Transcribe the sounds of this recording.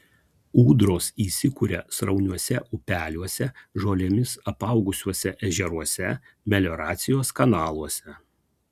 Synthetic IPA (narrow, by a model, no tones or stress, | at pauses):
uːd̪ɾoːsiːsʲɪkuɾʲɛsɾɐʊnʲuɔsʲɛʔʊpʲæːlʲuɔsʲɛʒoːlʲemʲɪsɐpɐʊɡʊsʲuɔsʲɛʔɛʒʲɛɾuɔsʲɛ | mʲɛlʲoːɾɑːt̪sʲɪjoːskɐnɑːlˠuɔsʲɛ